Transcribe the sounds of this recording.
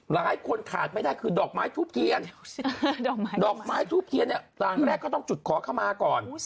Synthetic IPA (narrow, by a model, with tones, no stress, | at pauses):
laː˨˦˥jkʰu˧nkʰaː˨˩t̪̚ma˥˩jdaː˥˩jkʰɯː˧dɔː˨˩k̚maː˦˥jt̪ʰuː˥˩p̚kʰi˧ənː˨˩ | dɔː˨˩k̚maː˦˥jt̪ʰuː˥˩p̚kʰi˧ənːi˥˩ | ɾaː˨˩ŋɾɛː˥˩kʰːɔː˥˩t̪ɔ˥˩ŋt͡ɕu˨˩t̪̚kʰɔː˩˦kʰa˥˩wmaː˧kɔː˨˩n